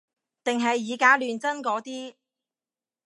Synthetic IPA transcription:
t̪ɪ˨ŋɦɐ˨jːiː˨˧kaː˨˥lyː˨nt͡sɐ˥nkɔː˨˥t̪iː˥

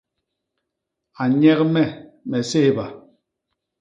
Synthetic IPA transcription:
a˨ɲɛ˦kmɛ˦˨mɛ˨se˦he˦ba˨

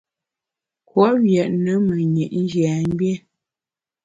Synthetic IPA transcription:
kwɔ˦wjɛ˨ʔnə˨˦mə˨ɲe˨ʔn̩˦d͡ʒja˨m˦bjɛ˦

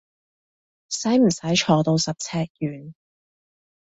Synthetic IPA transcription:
sɐ˨˥jm̩˨˩sɐ˨˥jt͡ʃʰɔː˨˧t̪o˧wsɐ˨p̚t͡sʰɛː˧k̚jyː˨˩n

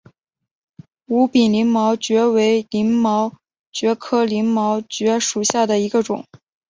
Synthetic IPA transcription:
u˧˥pi˨˩nli˧˥ŋmɑ˧˥ʊt͡ɕɥɛ˧˥we˧˥ɪli˧˥nmɑ˧˥ʊ | t͡ɕɥɛ˧˥kʰɤ˥li˧˥ŋmɑ˧˥ʊt͡ɕɥɛ˧˥ʂu˨˩ɕja˥˩d̪ə˩i˧˥ɡə˧ʈ͡ʂʊ˨˩˦ŋ

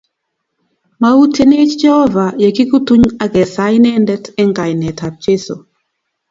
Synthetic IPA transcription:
ma˦u˦te˦ne˦t͡ʃd͡ʒɛ˦hɔ˦va˨je˨ki˦ku˦tu˦ɲa˦ɡɛ˨sa˦jnɛ˦ndɛ˦tɛ˦ŋɡa˨jnɛ˨tʰa˨p̚t͡ʃe˦so̰˨

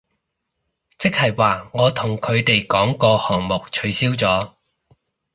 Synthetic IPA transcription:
t͡sɪ˥k̚hɐ˨jwaː˨ŋɔː˨˧t̪ʰʊ˨˩ŋkʰɵ˨˧ɥt̪e˨jkɔː˨˥ŋkɔː˧hɔː˨˩ŋmʊ˨k̚t͡ʃʰɵ˨˧ɥsiː˥wt͡sɔː˨˥

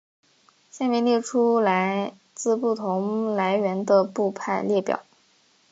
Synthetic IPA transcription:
ɕjɛ˥˩nmi˧˥ŋljɛ˥˩ʈ͡ʂʰu˥la˧˥ɪ | t͡sɹ̩˥˧pu˥˩t̪ʰʊ˧˥ŋla˧˥ɪɥɛ˧˥nd̪ə˧pu˥˧pʰa˥˧ɪljɛ˥˩pjɑ̰˨˩˦

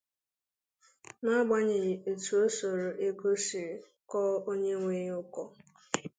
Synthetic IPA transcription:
na˦ɡ͡ba˦ɲe˨ɣɪ˨e˨tu˨o˦so˨ɾo˨ʔe˦ɡo˦si˨ɾe˨ | kɔ˦o˦ɲe˦ŋʷe˦ɲ˦ʊ˦kɔ˦

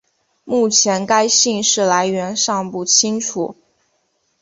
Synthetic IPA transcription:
mu˥˩t͡ɕʰjɛ˧˥nka˥ɪɕi˥˧ŋʂɻ̩˥˩la˧˥ɪɥɛ˧˥nʂɑ˥˧ŋpu˥˩t͡ɕʰi˥ŋʈ͡ʂʰṵ˨˩˦

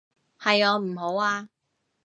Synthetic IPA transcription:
hɐ˨jɔː˨˧m̩˨˩ɦo˨˥waː˧

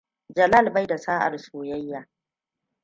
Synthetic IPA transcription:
d͡ʒɐ˨la˦˨lba˦jda˨saː˦ʔa̰˨rsoː˨jɐ˦jːaː˨

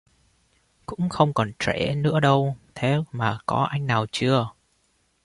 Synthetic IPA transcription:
kʊ̰˧˥ŋ͡mxə˧wŋ͡mkɔ˨˩nt͡ɕwe˧˩nɨ̰˧˥əɗə˧wt̪ʰe˨˦maː˨˩kɔ˨˦ʔa˧jŋ̟naː˨˩wt͡ɕɨ˧ə

